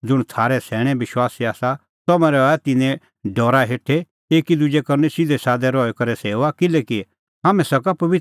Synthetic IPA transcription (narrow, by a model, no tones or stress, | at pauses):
d͡zʊɽ̃t̪ʰaːɾɛsɛːɽ̃ɛ̃bɪʃwaːsiaːsa | t̪ɐmɛ̃ɾɛɛt̪ɪnɛ̃ | ɖɔːɾaɦeːʈʰe | eːkid̪ʊd͡ʒekɐɾnɛsɪd̪ɛsaːd̪ɛɾɔːɛkɐɾɛseːoakɪlɛːki | ɦaːmɛ̃sɐkapɐʋɪt